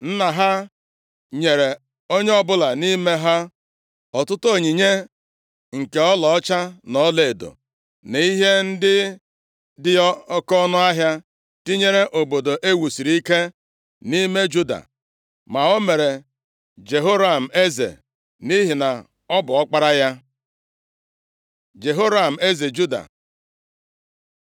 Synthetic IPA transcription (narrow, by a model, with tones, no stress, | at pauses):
n̩˦na˨ɦa˦ | ɲe˨ɾe˨ | o˦ɲe˦ɔ˦bʊ˦la˨ni˦me˦ɦa˦ | ɔ˨tʊ˦to˦˨ɲi˨ɲe˦ | ŋ̩˨ke˨ɔ˦lɔ˨ɔ˦t͡ʃa˦nɔ˨˦le˨e˨do̰˨ | ne˨i˦ɦe˦n̩˦dɪ˦ | dɪ˦kɔ˦nʊ˦a˦ɦja˦ | ti˦ɲe˦ɾe˦ʔo˨bo˨do˨ʔe˦wu˨si˨ɾi˦ke˦ | ni˦me˦d͡ʒu˦da̰˨ | ma˨o˦me˨ɾe˨ | d͡ʒe˨ɦo˦ɾa˨m̩˨e˦zḛ˨ | ni˦ɦi˨na˨ | ɔ˦bʊ˨ɔ˦k͡pa˦ɾa˦ja˦ | d͡ʒe˨ɦo˦ɾa˨m̩˨e˦ze˨d͡ʒu˦da̰˨